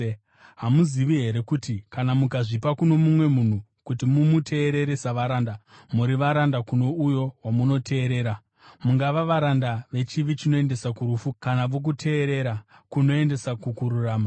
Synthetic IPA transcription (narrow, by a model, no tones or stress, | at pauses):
ɦamuziʋiɦe̞ɾe̞kutikanamukaʐipakuno̞mumwe̞mun̤u | kutimumutʰe̞ːɾe̞ɾesaʋaɾandamuɾiʋaɾandakuno̞ujo̞wamuno̞tʰe̞ːɾe̞ːɾa | muŋɡaʋaʋaɾandaʋe̞t͡ʃiʋit͡ʃino̞e̞nde̞sakuɾufukanaʋok̬utʰe̞ːɾe̞ɾa | kuno̞e̞nde̞sakukuɾuraːma